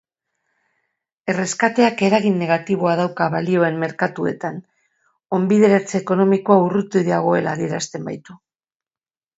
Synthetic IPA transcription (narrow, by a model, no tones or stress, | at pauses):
e̞re̞skat̪e̞ake̞ɾaɣinːe̞ɣ̞at̪iβ̞o̞aðawkaβalio̞e̞mme̞ɾkat̪ue̞̰t̪an | o̞mbiðe̞ɾat͡seːko̞no̞miko̞aurut̪uðiaɣ̞o̞e̞la̰ðie̞ɾast̪e̞mbajt̪u